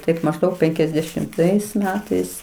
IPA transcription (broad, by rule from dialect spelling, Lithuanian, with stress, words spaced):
ˈtɐɪp mɐʒˈdɐʊk pʲɛŋʲkʲɛzʲdʲɛʃʲɪmˈtɐɪs ˈmʲæːtɐɪs